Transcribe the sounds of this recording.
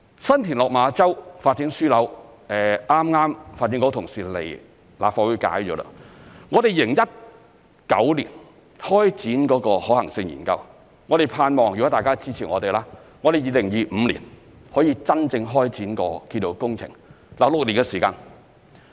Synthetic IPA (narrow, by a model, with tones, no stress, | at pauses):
sɐ˥nt̪ʰiː˨˩nlɔː˨k̚maː˨˧t͡sɐ˥wfaː˧t̚ːi˨˥ŋsyː˥lɐ˨˥w | ɛː˨aː˥mŋaː˥mfaː˧t̚ːi˨˥ŋkoɔ˨˥wt̪ʰʊ˨˩ŋsiː˨lḛ˨˩j | la̰ː˨˩fɔː˨˧kwuː˨˧ka̰ː˨˥jt͡ʃɔː˨˥la̰˥ŋɔː˨˧t̪e˨jlɪɪ˨˩ŋjɐ˥t̚ | kɐ̰˨˥wlḭː˨˩n | hɔː˥jt͡siː˨˥nkɔː˨˥kɔː˧hɔː˨˥hɐ˨˩ŋsɪ˧ŋjḭː˨˩nkɐ˧w | ŋɔː˨˧ɾe˨jpʰaː˧nmɔː˨˩ŋjkɔ˨˥t̪aː˨jkaː˥t͡siː˥t͡sʰiː˨˩ŋɔː˨˧t̪e˨˩jlaː˥ | ŋɔː˨˧ɾe˨jiː˨˧lɪ˨˩ŋjiː˨˧m̩˨˧lḭː˨˩n | hɔː˨˥jiː˧t͡sɐ˥nt͡sɪ˧ŋɦɔː˥jt͡siː˨˥nkɔː˧kiː˧nto˧wkʊ˥ŋt͡sʰɪ̰˨˩ŋ | la˨˩lʊ˨k̚liː˨˩nkɛ˧siː˨˩kaː˧n